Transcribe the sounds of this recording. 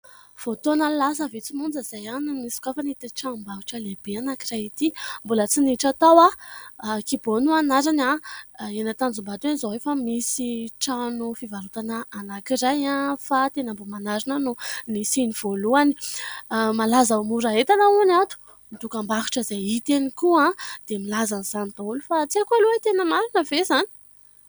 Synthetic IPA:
v̥ot̪onəlas̬əvit͡simund͡zəzajanmiskafanit̪iʈ͡ʂanumbaɦu̥ʈ͡ʂəleb̥eanakirajit̪imbulət͡siniʈ͡ʂat̪awa | kibonuanaɾanaenat̪and͡zumbat̪uenizoɦefamisiʈ͡ʂanufivaɾut̪anəːnakiɾajãfat̪enəmbomanaɾinənunisiniv̥oluani̥ | malazaumuɾaet̪anaunat̪u̥ | mid̪ukambaɦi̥ʈ͡ʂəzeit̪enikuãd̪̥emilazaniz̥anid̪aulufat͡siakualuet̪enəmaɾinəvezani̥

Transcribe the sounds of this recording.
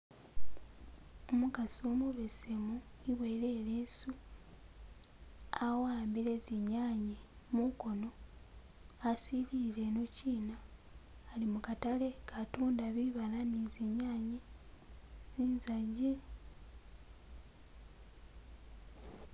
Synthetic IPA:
omukasiomuβesemu | iβwe̞ɾeːɾesu | awaːmbiɾe̞ziɲaːɲemuko̞no̞ | asilile̞nociːnaː | limukatale̞kʰatuːndaβiβalaniziɲaːɲe | ziːnzaɟe

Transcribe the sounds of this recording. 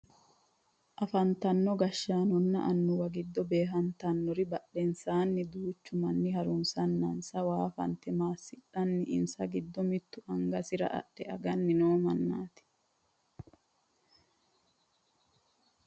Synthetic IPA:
ʔɐfɐnt̪ɐnːɔɡɐʃːaːnɔnːɐ̰ʔɐnːʊwɐɡɪd̪ːɔbeːɦɐnt̪ɐnːɔɾɪbɐɗɛnsaːnːɪd̪uːt͡ʃːʊmɐnːɪhɐɾʊnsɐnːɐnsɐwaːfɐ̰nt̪ɛmaːsɪɗɐnːɪɪ̰nsɐɡɪd̪ːɔmɪt̪ːʊʔɐŋɡɐsɪɾɐ̰ʔɐ̰ɗɛɐɡɐnːɪnoːmɐnːa̰ːt̪ɪ̥

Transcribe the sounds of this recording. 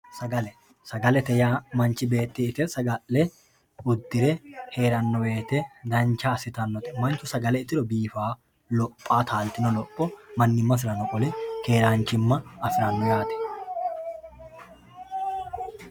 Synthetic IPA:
sɐɡɐlɛ | sɐɡɐlɛt̪ɛjaːmɐnt͡ʃːɪbe̞ːt̪ːɪɪt̪ɛsɐɡɐʔːɛ | ʊd̪ːɪɾɛhe̞ːɾɐnːɔbe̞ːt̪ɛd̪ɐnt͡ʃaːsɪt̪ɐnːɔt̪ɛmɐnt͡ʃːʊsɐɡɐlɛɪt̪ːɪɾɔbiːfaː | lɔpʼːaːt̪ʰaːlt̪ɪnɔlɔpʼːɔmɐnːɪmːɐf̬ɪɾɐnɔkʼɔlɛke̞ːɾaːnt͡ʃɪmːɐːfɪɾɐnːɔjaːt̪ɛ̥

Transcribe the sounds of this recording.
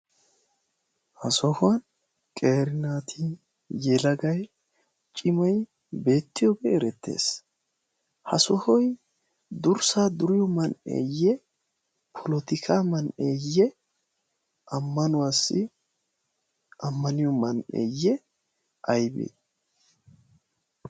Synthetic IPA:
hɐsɔhʊɐn | kʼeːɾɪnaːt̪ʰiːn | jɛlɐɡɐj | t͡ʃʼɪmɐj | be̞ːt̪ːɪjoɡɛːɾɛt̪ʰːḛːs | hɐsɔhɔj | d̪ʊɾsaːd̪ʊɾɪjɔmɐnḛːjɛ | pʰɔlɔt̪ɪkʰaːmɐnḛːjɛ | ʔɐmːɐnʊwaːsːɪ | ʔɐmːɐnɪjɔmɐnḛːjːɛ | ʔɐjbḛ

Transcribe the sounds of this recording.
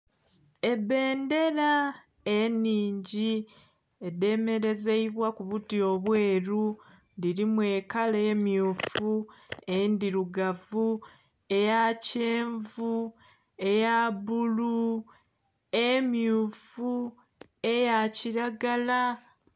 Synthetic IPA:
e̞be̞ːnde̞ɾa | enːiːɲɟi | e̞de̞me̞ɾe̞ze̞iβwakuβutio̞βwe̞ːɾu | ndiɾimwe̞ːkalemjuːfuendiɾuɡavu | e̞jaceːɱvu | e̞jaβulu | emjuːfu | e̞jaciɾaɡala

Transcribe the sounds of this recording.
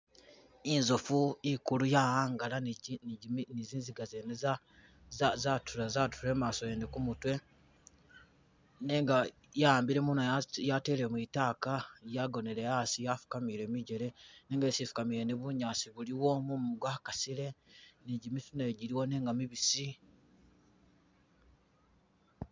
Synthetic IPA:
inzofuikulujahaːŋɡalan | niziːnziɡazeneza | azatʰuɾazatuuɾe̞ːmaːso̞jeːndikumutwe̞ | ne̞ːŋɡa | jaaːmbiɾe̞munoajate̞ːlemwitaːkajaɡo̞neɾe̞jaːsijafu̥kamiɾe̞ːmiɟe̞ɾe̞neːŋɡesifu̥kamiɾeniβuɲaːsiβuliwo̞mumɡwaːkasile̞niɟimifuneɟiɾiwo̞ne̞ːŋɡamiβisi

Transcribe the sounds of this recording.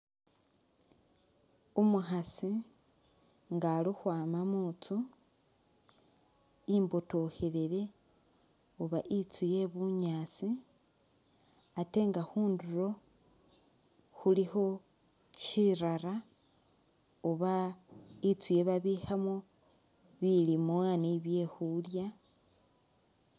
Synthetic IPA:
omuxasi | ŋɡalixwaːmamut͡su | imbo̞to̞xeɾeɾe̞ | oβaʔit͡suje̞βuɲaːt͡si | ate̞ːŋɡaxuːnduɾo̞ | xulixo̞ | ʃiɾaɾa | uβa | it͡suje̞βaβixamo | βilimwaːniβje̞xulja

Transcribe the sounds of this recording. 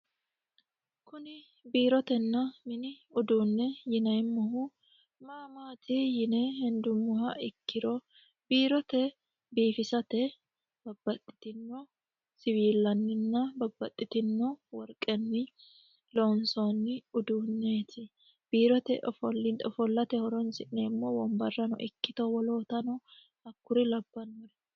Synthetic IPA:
kʊnɪ | biːɾɔt̪ɛnːɐmɪnɪʊd̪uːnːɛjɪnɐjmːɔɦʊ | maːmaːt̪ʰijɪnɛhɪnd̪ʊmʊhɐɪkːɪɾɔ | b̥iːɾɔt̪ɛ | biːfɪsɐt̪ɛ | b̥ɐbːɐt̪ʼːɪ̥t̪ɪnːɔ | sɪβiːlːɐnːɪnːɐbɐbːɐt̪ʼːɪt̪ɪnːɔwɔɾkʼːɛnːɪ | loːnsoːnːɪʊd̪uːnːeːt̪ʰɪ | b̥iːɾɔt̪ɛʔɔfɔlːɪnɔfɔlːɐt̪ɛhɔɾɔnsɪʔneːmːowɔmbɐrːɐnɔ̰ʔɪkːɪt̪ɔwɔlo̞ːt̪ɐnɔ | hɐkːʊɾɪlɐbːɐnɔɾɛ

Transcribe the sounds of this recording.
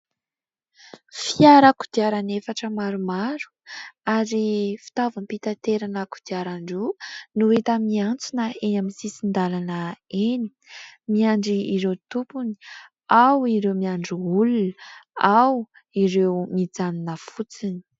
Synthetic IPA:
fiaɾəku̥d̪̥iaɾanefaʈ͡ʂəmaɾumaɾu̥aɾifi̥t̪avampit̪at̪eɾanəku̥d̪̥iaɾaɳɖ͡ʐunuet̪əmiant͡sunəenaminsisind̪alanəeni̥ | miaɳɖ͡ʐiiɾewt̪upuni̥ | awiɾewmiaɳɖ͡ʐiulunaw | iɾewmid͡zaninəfut͡sini̥

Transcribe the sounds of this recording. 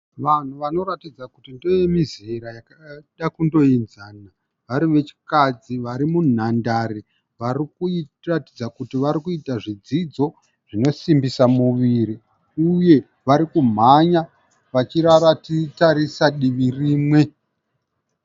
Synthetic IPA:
ʋan̤uʋano̞ɾatid͡zakutindo̞jemizeɾajakaɗakundo̞inzaːna | ʋaɾiʋe̞t͡ʃi̥kad͡ziʋaɾimun̤andaɾi | ʋaɾiku | ratid͡zakutiʋaɾikuitaʐid͡zid͡zo̞ | ʐ̥ino̞simbisamuʋiːɾi | uje̞ | ʋaɾikum̤aɲa | ʋat͡ʃiɾaɾatitaɾisaɗiʋiriːmwe̞

